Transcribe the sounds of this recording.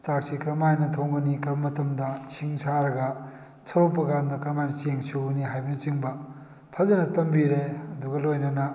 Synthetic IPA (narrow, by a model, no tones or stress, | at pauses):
t͡ʃak̚sikɾɐmajnɐtʰoŋɡɐnikɐɾbɐmɐtɐmdɐsʰiŋsʰaɾɐɡɐ | sʰɐwpɐkandɐkɾɐmajnɐt͡ʃeŋsuɡɐniɦajbɐnit͡ʃiŋbɐ | pʰɐzɐnɐtɐmbiɾeɐduɡɐlojnɐnɐ